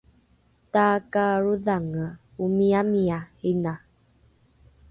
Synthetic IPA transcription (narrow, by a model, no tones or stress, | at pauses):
takaɾuðaŋə | umiamiahina